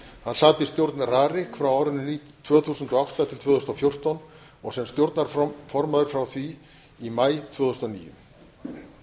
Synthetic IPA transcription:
hansaːt̪ɪst̪jowɾt̪naraːɾɪhkfɾawawɾʏnːʏni | t̪ʰv̥œːθuːsʏnt̪ɔawht̪at̪ʰɪlt̪ʰvœːðʏst̪ɔfjowr̥t̪ɔn | ɔɣsɛmst̪jowɾt̪naɾ̥fɔɾmaðʏɾ̥fɾawθvi | imaːjt̪ʰv̥œːðʏst̪ɔnḭːjʏ̰

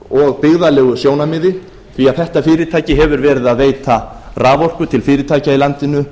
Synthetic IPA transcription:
ɔɣpɪɣðalɛːɣʏsjoːwnamɪːðɪ | θviaðθɛht̪afɪːɾɪt̪ʰaːjcɪɦɛvʏɾvɛːɾɪðaðveːjt̪a | raːvɔr̥kʏt̪ʰɪlfɪːɾɪt̪ʰaːjcailant̪ɪnʏ

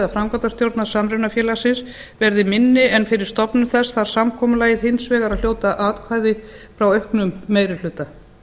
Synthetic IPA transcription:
ðafɾamkɔt̪ast̪jowɾt̪nḁsamɾewnafjɛːlasɪns | vɛɾðɪmɪnːɪɛnfɪɾɪɾ̥st̪ɔpnʏmθɛsθaɾ̥samkʰɔːmʏlaːjɪðhɪnsvɛːɣaɾaðljoːwt̪aʔaːt̪kʰvaːjðɪfɾawœhknʏmːeːjɾɪl̥ʏt̪ːa

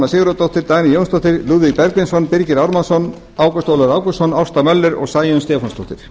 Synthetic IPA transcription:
asɪːɣʏɾat̪ɔwht̪ɪɾt̪aːjnɪjownst̪ɔht̪ɪɾluːðipɛɾklɪnsɔnpɪɾcɪɾawɾmansɔn | aːwkɔst̪oːwlaɾaːwkʏsɔnaw̥st̪amœlːʏɾɔ̰ɣsaːjʏnst̪ɛːfɔnst̪ɔwht̪ɪɾ̥

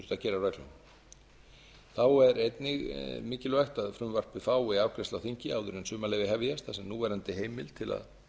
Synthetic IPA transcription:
ʏɾ̥t̪aðcɛːɾaɾrœjk̪la̰n | θawɛɾejt̪nɪɣmɪːcɪlʏvajxt̪aðfɾʏmvar̥pvɪðfaːwɪaːwkʰɾɛst̪lawθiɲ̥cɪawðʏɾɪnsʏːmalɛvɪɦɛvjast̪θasɛmnuːvɛːɾant̪ɪɦeːjmɪlt̪ʰɪla̰ð

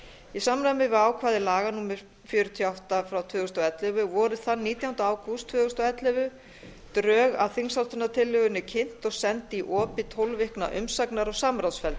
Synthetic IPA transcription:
isaːmɾamɪvɪaːwkʰvaːðɪlaːɣanuːmɪɾ̥ | fjʏːɾʏt̪ʰiawht̪afɾawt̪ʰvœːɣʏst̪ɔɛt̪lœvʏvɔɾʏθannːiːt̪jawunt̪aaːwkust̪ʰvœːɣʏst̪ɔɛt̪lœvʏ | t̪ɾœːɣaðθinsawlt̪ʏnat̪ʰɪlːʏɣʏnɪcʰɪn̥t̪ɔɣsɛnt̪ɪiʔɔːpɪt̪ʰowlvɪhkna̰ʔʏ̰msaknaɾɔɣsaːmɾawsfɛlt̪

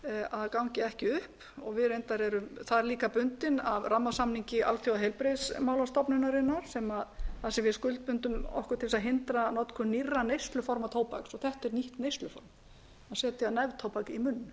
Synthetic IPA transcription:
aðkawɲcɪɛhcɪʏhp | ɔɣvɪðɾejnt̪aɾɛɾʏmθaðɾliːkapʏnt̪ɪnavramːasamniɲcɪʔa̰w̪t̪ʰjowaɦejlpɾesmawlast̪ɔpnʏnaɾɪnːaɾ̥sɛmaðθasɛmvɪskʏlt̪̚pʏnt̪ʏmɔ̰hkʏɾt̪ʰɪlɛsaðɦɪnt̪ɾanɔt̪kʰʏnirːanejst̪lʏfɔɾmat̪ʰoːwpa̰ksɔθɛht̪ɛɾniht̪nejst̪lʏfɔ̰ɾm | aðsɛːt̪ɪaðnɛvðt̪ʰoːwpakimʏnː

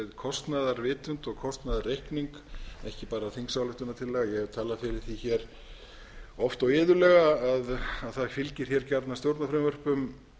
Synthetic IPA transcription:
ɪðkʰɔst̪naðaɾvɪːt̪ʏnt̪ɔɣkʰɔst̪naðarːejhkniŋk | ɛ̰hcɪpaːɾaːθiŋksawlɪht̪ʏnat̪ʰɪlːɛːɣajɛɣɛɾt̪ʰaːlafɪɾɪθiçɛɾ̥ | ɔft̪ɔwɪːðʏlɛɣaːðaðθaðkʰɪlcɪɾ̥çɛɾcaɾt̪nast̪jowɾt̪nafɾɛmvœr̥pʏm

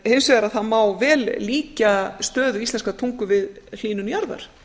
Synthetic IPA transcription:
hensvɛːɣaɾaðθaðmawvɛːlliːcast̪œːðʏist̪ɛnskat̪ʰuŋkʏvɪðl̥iːnʏnjaɾða̰ɾ̥

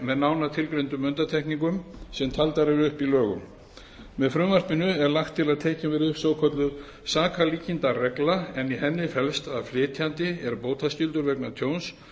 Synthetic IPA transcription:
mɛðnaːwnat̪ʰɪlkɾejnt̪ʏmːʏnt̪at̪ʰɛhkniŋkʏmsɛmt̪ʰalt̪aɾɛvʏhpilœːɣʏ̰m | mɛðfɾʏmvar̥pɪnʏɛɾlaxt̪ʰːɪlaðt̪ʰeːcɪmvɪɾʏhsoːwkʰɔt̪lʏ | saːkʰaliːcɪnt̪arɛklaɛnihɛnːɪfɛlst̪aðflɪːt̪ʰjant̪ɪɛɾpoːwt̪ʰascʏlt̪ʏɾvɛknat̪ʰjoːwns

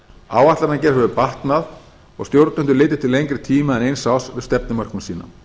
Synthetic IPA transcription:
a̰ːwaht̪laɾnancɛɾ̥hɛvʏpaht̪nað | ɔ̰ɣst̪jowɾt̪nʏnt̪ʏlɪːt̪ɪ̥t̪ʰɪlejɲŋkɾɪt̪ʰiːmaɛnejnsaːwsvɪst̪ɛpnɪmœr̥kʏmsiːna̰

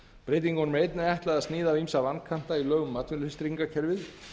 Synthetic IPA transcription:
pɾejt̪̬iŋkɔnmejt̪nɪɛht̪laðaðst̪nɪːðavimsavankʰan̥t̪ailœːɣʏmːat̪vɪnst̪ɾiŋkacʰɛɾvɪð

